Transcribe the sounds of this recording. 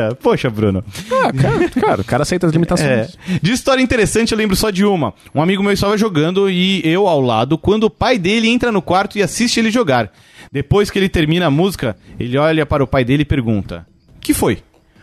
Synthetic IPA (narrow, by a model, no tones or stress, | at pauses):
poʃɐbɾṵ̃nʊ̰akaɾkaɾɐ̰ʊkaɾɐasejt̪ɐzlimit̪asoɛ̃j̃sd͡ʒɪːst̪ɔɾjɐĩt̪eɾesɐ̃t͡ʃɪewlẽbɾʊsɔd͡ʒɪũmɐ | ũamiɡʊmewɪst̪avɐʒoɡɐ̃nd̪ʊɪewawlad̪ʊkwɐ̃nd̪ʊːpajd̪elɪẽnt̪ɾɐnʊkwaɾt̪ʊɪasist͡ʃɪelɪʒoɡaɾ | d̪epojskɪelɪt̪eɾmĩnɐamuzikɐelɪɔʎɐpaɾɐʊpajd̪elɪɪpeɾɡũnt̪ɐ̰ | kɪfoj